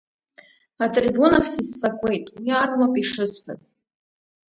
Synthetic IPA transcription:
atʼribunaχʰsɨzːakʷʼe̞jtʼwiarlapʼiʂɨzpʰa̰z

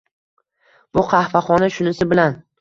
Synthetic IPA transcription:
b̥ʊqʰɑhfaχɒnaʃʊnɪsɪbɪlan

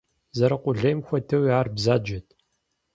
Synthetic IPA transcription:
zɐɾɐqʷʼʊɮɐjmxʷɐtʰɐwiaːrbzaːd͡ʒɐtʰ

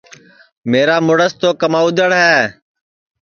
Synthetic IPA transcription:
meːɾaːmʊɽəst̪oːkəmãːʊd̪ʱəɽɦɛː

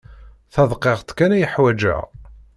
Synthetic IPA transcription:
θɑðˤqːeʁt̪kænæjəħwæd͡ʒæ̰

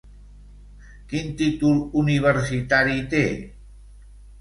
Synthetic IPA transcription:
kint̪it̪uluniβ̞əɾsit̪aɾit̪e

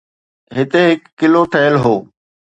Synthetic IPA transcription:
ɦɪt̪eɦɪkːɪloʈʰəjəlɦoː

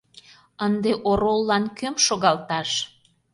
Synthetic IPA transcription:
ənd̪eʔoɾolːɑnkømʃoɣɑlt̪ɑʃ

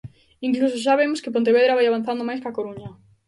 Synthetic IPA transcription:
iŋklus̬oʃ̬aβemoskɪpont̪eβ̞eðɾaβajaβanθand̪omajskakoɾuɲɐ

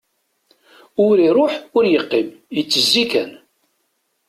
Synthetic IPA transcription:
ʊɾiɾˤoħʊɾjəqːimjət͡sːəzːikæn

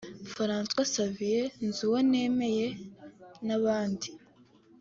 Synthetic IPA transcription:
faɾaːnswasavije̞nzuwone̞me̞je̞ | naβaːndi

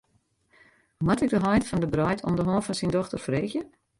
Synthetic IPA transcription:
matɪk̚dəɦɔjtfɔndəbrɔjtʰɔ̰ndəɦɔːfɔnsindɔxtərfreːxjə

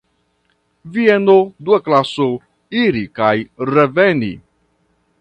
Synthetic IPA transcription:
vienoduaklaso | iɾikajɾevenḭ

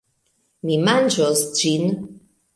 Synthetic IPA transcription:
mimand͡ʒɔsd͡ʒin

